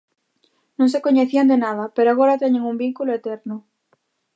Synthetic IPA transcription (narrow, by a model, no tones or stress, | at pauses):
nõŋs̬ekoɲeθiand̪enað̞apeɾoaɣ̞oɾat̪eɲeŋumbiŋkuloet̪eɾnʊ